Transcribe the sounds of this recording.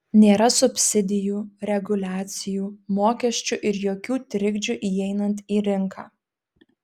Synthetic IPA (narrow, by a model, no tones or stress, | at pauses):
nʲeːɾɐsʊpʲsʲɪd̪ʲɪjuːɾʲɛɡʊlʲæːt̪sʲɪjuːmoːkʲɛʃʲt͡ʃʲuʔɪɾjoːkʲuːt̪ʲɾʲɪɡʲd͡ʒʲuʔiːɛɪnɐnt̪iːɾʲɪŋkʰɑː